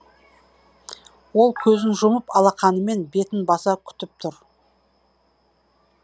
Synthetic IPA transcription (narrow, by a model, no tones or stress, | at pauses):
wo̞lˠkʲʰɵzɪnʒʊməpɑlˠɑqɑnəme̞nbe̞t̪ɪnbɑsɑkʲʰʏ̥t̪ɪp̚t̪ʰʊɾ